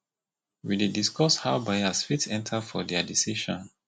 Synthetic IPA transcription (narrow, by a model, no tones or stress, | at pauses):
widediskɔshaʊbaasfitsɛ̃ntʰafɔdɛadisiʃɔ̃n